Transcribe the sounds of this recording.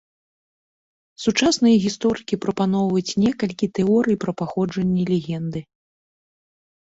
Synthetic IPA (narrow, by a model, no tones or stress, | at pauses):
sut͡ʂasnɨjɐɣʲist̪ɔɾɨkʲipɾɐpan̪ɔwvɐt͡sʲnʲɛkɐlʲkʲit̪ɛɔɾɨjpɾɐpaxɔd͡ʐɐnʲːɛlʲɛɣʲɛnd̪ɨ